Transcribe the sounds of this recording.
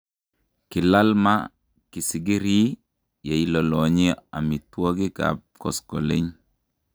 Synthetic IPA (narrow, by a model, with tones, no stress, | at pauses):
ki˨la˦lma˦ | ki˨si˨ɡi˦ɾi˦ | ja˨i˦lo˨lɔ˨ɲi˦a̰˨mi˨two˦ɡi˦ka̰˨p̚kɔ̰˨skɔ˨lḛ˦ɲ